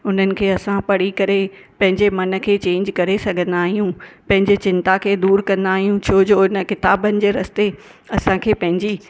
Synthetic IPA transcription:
ʊn̤ənɪ̆kʰeːɐsãpɐɽ̤ikɐɾe | pɐ̃ɦɪ̃ɲd͡ʑemɐnə̆kʰeːt͡ɕẽːɲd͡ʑkɐɾesɐɡʱə̃nd̪aːɦijũpɐ̃ɦɪ̃ɲd͡ʑet͡ɕɪ̃nt̪akʰeːd̪uːɾkɐ̃nd̪aːɦijũt͡ɕʰoːd͡ʑoɪnə̆kɪt̪aːbənɪ̆d͡ʑeːɾɐst̪e | ɐsãkʰeːpɐ̃ɦɪ̃ɲd͡ʑi

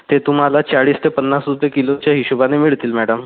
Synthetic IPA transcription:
t̪et̪um̤alat͡ɕaɭiːst̪epənːasɾupjekilot͡ɕjaɦiɕubanemiɭt̪iːlmæɽəm

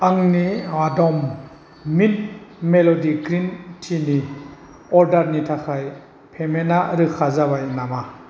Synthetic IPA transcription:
aŋniadɔmː | it̚melɔdiɡɾintʰini | ɔɾdaɾnitʰakʰaj | pʰemenaɾɯkʰazaβajnama

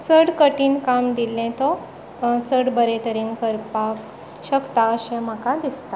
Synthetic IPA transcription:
t͡səɽkəʈiːnkamd̪ilːɛ̃t̪ɔ | t͡səɽbəɾẽt̪əɾiːnkəɾpak | ɕəkt̪aəɕɛ̃m̤əkad̪ist̪a

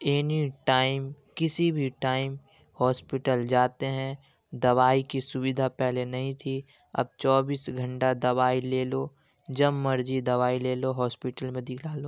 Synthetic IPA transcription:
eːniʈaːɪmkɪsibʱiʈaːɪm | hɔːspɪʈəld͡ʒaːt̪eɦɛ̃ | d̪ɐʋaːikisʊbɪd̪ʱapɛɦlenɐɦĩt̪ʰi | ɐ̰b̚t͡ʃɔːbiːsɡʱɐ̃ɳʈad̪ɐʋaːileːlo | d͡ʒɐmːɐɾd͡ʒid̪ɐʋaːileːloɦɔːspɪʈəlmẽd̪ɪkʰlaːloː

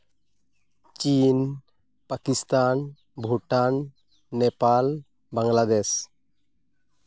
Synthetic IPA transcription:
t͡ʃin | pakist̪an | bʱuʈanː | ɛpal | baŋlad̪es

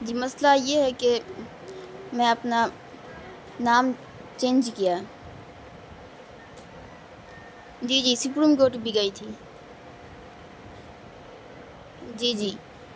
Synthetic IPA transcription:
d͡ʒiːmɐslajeɦɛke | mɛ̃ɐpna | naːm | t͡ʃẽːnd͡ʒkijaː | d͡ʒiːd͡ʒiːsʊp̬ɾimkoːʈbʱiɡəit̪ʰiː | d͡ʒiːd͡ʒiː

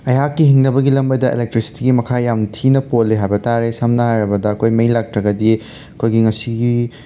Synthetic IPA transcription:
ɐjɦakːiɦiŋnɐbɐɡilɐmbɐdɐʔḛlek̚tɾisi̥tiɡimɐkʰajamtʰinɐpotleɦajbɐtaɾesɐmnɐhajɾɐbɐdɐːkʰojmɐjlak̚tɾɐɡɐdi | ɐkʰojɡiŋɐsiɡi

